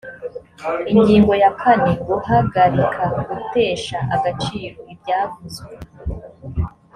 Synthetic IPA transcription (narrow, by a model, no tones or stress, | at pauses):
iɲɟiːŋɡo̞jakʰaniɡuhaɡaɾikʰaɡute̞ːʃaʔaɡat͡ʃiːɾoibɟaːvuze